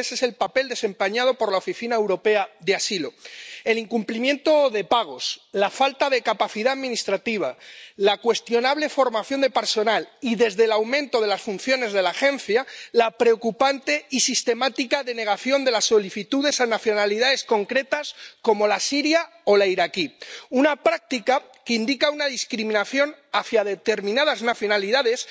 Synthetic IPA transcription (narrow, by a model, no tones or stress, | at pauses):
ese̞se̞lpape̞ld̪e̞se̞mpaɲað̞o̞po̞ɾlaofiθinaewɾo̞pe̞aðeasilo̞e̞liŋkumplimje̞nt̪o̞ðe̞paɣ̞o̞slafalt̪að̞e̞kapaθiðaaðmĩnist̪ɾat̪iβ̞alakwe̞st̪jo̞naβ̞le̞fo̞ɾmaθjo̞nd̪e̞pe̞ɾso̞naliðe̞zðe̞lawmẽnt̪o̞ð̞e̞lasfunθjo̞ne̞zðe̞laxẽ̞n̟θjalapɾe̞okupant̪e̞isist̪e̞mat̪ikaðe̞ne̞ɣ̞aθjond̪e̞lasːo̞liθit̪uðe̞sanaθjo̞naliðaðe̞sko̞ŋkɾe̞t̪asko̞mo̞lasiɾjao̞laiɾakiunapɾak̚t̪ika | keind̪ikaunaðiskɾimĩnaθjo̞naθjaðe̞t̪e̞ɾmĩnað̞aznaθjo̞naliðaðe̞s